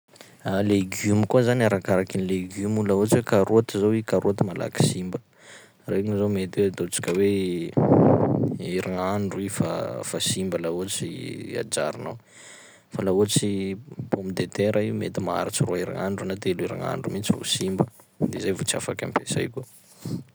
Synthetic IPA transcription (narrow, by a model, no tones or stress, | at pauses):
aleɡumikuazaniaɾakaɾakinileɡumulaot͡swekaɾuat̪izowikaɾʔuat̪mala̰ki̥simbə | reŋizomet̪eat̪ot͡si̥kʲəwe | iɾaŋaɳɖ͡ʐuifa̰fasimbəlaot͡sia̰d͡ʒaɾinaw | falauat͡sipombid̪et̪eɾʔaiumet̪imaa̰ɾit͡siroaiɾa̰ŋaɳɖ͡ʐunat̪eliɾa̰ŋa̰ɳɖ͡ʐumit͡sivo̰simbə | d̪ezajvot͡sia̰fakʲa̰mpesa̰jku